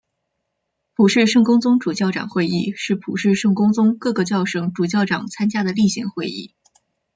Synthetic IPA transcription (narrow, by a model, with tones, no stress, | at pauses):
pʰu˨˩ʂɻ̩˥˧ʂɤ˥˩ŋkʊ˥ŋt͡sʊ˥ŋʈ͡ʂu˨˩t͡ɕjɑ˥˩ʊʈ͡ʂɑ̰˨˩ŋxwe˥˧ɪi˥˧ʂɻ̩˥˩pʰu˨˩ʂɻ̩˥˧ʂɤ˥˩ŋkʊ˥ŋt͡sʊ˥ŋkɤ˥˩ɡə˩t͡ɕjɑ˥˩ʊʂɤ˧˥ŋʈ͡ʂu˨˩t͡ɕjɑ˥˩ʊʈ͡ʂɑ˨˩ŋt͡sʰa˥nt͡ɕja˥d̪ə˨li˥˩ɕḭ˧˥ŋxwe˥˧ɪḭ˥˩